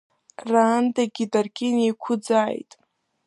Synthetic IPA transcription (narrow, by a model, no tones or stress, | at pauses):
raːndaɡʲidarkʲʼenejkʷʰʊd͡zaːjtʼ